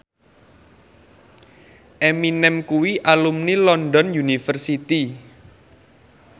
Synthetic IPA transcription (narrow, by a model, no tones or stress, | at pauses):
ʔeminɛmkuwiʔalumnilɔndɔnjunifərsit̪i